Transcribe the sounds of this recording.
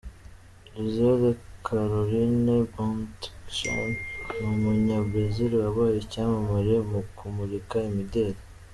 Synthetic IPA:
lizodekʰaɾolinebɔ̃ntʃa̰nnumuɲabɾeziɾiwaβaːjecaːmamaɾemukumuɾikaimideːɾa

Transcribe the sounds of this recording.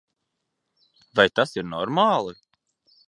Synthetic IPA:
vajt̪asiɾnɔɾmaːlˠɨ

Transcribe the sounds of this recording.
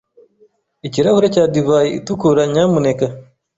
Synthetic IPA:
iciɾahuɾecaːdivaːjiḭtukuɾaɲamuneka

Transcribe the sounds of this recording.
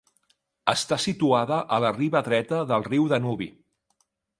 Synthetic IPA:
əst̪asit̪uaðəʔələriβəðɾɛt̪əðəlˠriwðənuβḭ

